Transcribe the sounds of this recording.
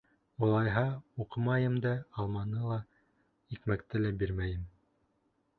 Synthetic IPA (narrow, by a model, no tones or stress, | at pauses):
uŏlˠɑjɦɑuqɤmɑjɤmd̪æɑlˠmɑnɤlˠɑ | ikmækt̪ɘlæbiɾmæjɘm